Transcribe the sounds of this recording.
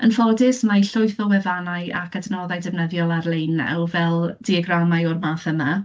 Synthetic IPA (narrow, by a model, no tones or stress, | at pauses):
ənfɔdɪsmajɬʊjθɔwɛvanaja̰kʰadnɔðajdɪvnəðjɔlˠarlˠejnːa̰wvɛlˠd̥iɛɡramajɔrmaːθəma